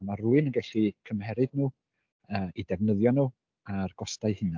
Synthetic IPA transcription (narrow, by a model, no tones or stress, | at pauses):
maruːɨnənɡɛɬikʰəmhɛɾɨdnuː | əidɛvnəðjɔnuː | arɡ̥ɔstaɨhɪna